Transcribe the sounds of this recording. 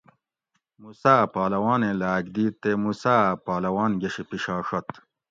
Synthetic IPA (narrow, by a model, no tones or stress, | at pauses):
musaːpaːlɐwaːnẽlaːɡd̪iːt̪ːemusaːpaːlɐwaːnɡɐɕipiɕaːʂɐt̪